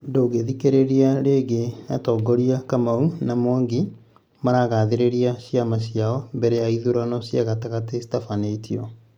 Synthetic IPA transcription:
ndoːɡeðikeɾeɾiaɾeɡenatɔːɡɔɾiakamaunamwaŋɡe | maɾaɣaðeɾeɾiaɕiamaɕiaɔmbɛɾɛaiðuɾanɔɕjaɣataɣatesi̥tafaneitiɔ

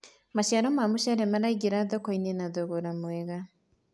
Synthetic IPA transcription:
maʃaɾɔmamuʃaɾɛmaɾaiɡeɾaðɔkɔinenaðoɣoɾamweɣa

